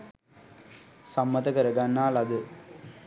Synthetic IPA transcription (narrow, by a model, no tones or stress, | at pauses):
sɐmːɐt̪ɐkɐɾɐɡɐnːaːlɐd̪ɯ